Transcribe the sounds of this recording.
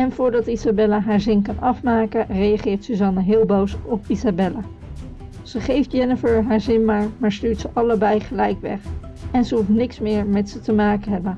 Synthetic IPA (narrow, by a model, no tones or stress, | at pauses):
ɛnvʊːɹdɑtizabɛlaɦaːɹzɪnkɑnɑfmaːkərejɑχɪːɹtsyzɑnəɦɪːlˠbowsɔpizabɛla | z̥əχejfdjɛnəfəɹɦaːɹzɪnmaːɹmaːɹstyːɹtsəʔɑləbɛjχəlɛjkʋɛ̰χ | ɛnzəɦuftnɪksmɪːɹmɛtsətəmaːkənɦɛbən